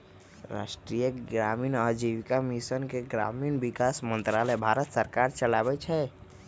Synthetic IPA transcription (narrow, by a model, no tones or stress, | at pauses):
ɾa̰sʈɾijəɡɾaminəd͡ʒiʋkamisənkeɡɾa̰minbikasmə̃nt̪ɾalɛbʱaɾət̪səɾkaɾt͡ʃəlabɛt͡ʃʰɛ